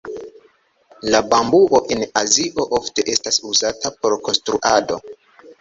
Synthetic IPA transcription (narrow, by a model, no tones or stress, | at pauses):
labambuʔo̞ʔenaziʔo̞ʔofte̞ʔe̞stasuzatapo̞ɾko̞nstɾuʔado̞